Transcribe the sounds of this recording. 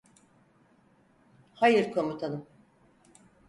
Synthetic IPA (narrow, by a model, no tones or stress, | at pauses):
hajɯɾkʰo̞mut̪ʰanɯm